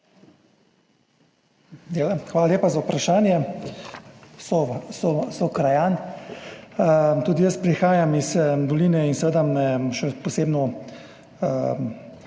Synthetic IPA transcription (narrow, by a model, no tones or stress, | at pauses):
elxʋaːlaljeːpazawpɾaʃaːnjɛ | sɔsɔsɔkɾajaːn | t̪uːd̪ijəspɾixaːjamizd̪ɔliːnɛinsɛʋeːd̪amɛʃɛpɔseːbnɔ